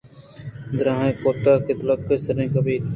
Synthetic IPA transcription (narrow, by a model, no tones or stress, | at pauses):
d̪ɾãːɦẽːkoːt̪aːkɪt̪ləkːesəɾẽːkəbʱiː